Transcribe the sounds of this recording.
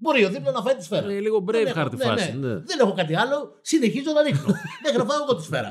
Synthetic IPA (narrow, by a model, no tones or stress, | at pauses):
bo̞ɾio̞ðiplɐnɐfɐit̪i̥sfe̞ɾɐeliɣobɾeeɐɾt̪ineɐ̰nsenðene̞xo̞kɐt̪̬iɐlo̞ | sine̞çizo̞nɐniksmexinɐfɐoɣot̪isfeɾɐ̰